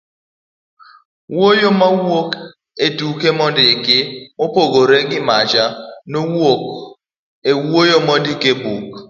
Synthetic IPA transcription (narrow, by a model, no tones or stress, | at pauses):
wojomawok | edukemɔndɪkɪmopoɡoɾeɡɪmat͡ʃanowok | ewojomɔndikebuk